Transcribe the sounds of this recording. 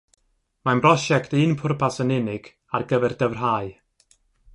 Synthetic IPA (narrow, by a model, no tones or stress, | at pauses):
manbrɔʃɛktɨnpʰʊrpʰasənɪnɪɡ̥ | arɡəvɛrd̥əvr̥ɦaːɨ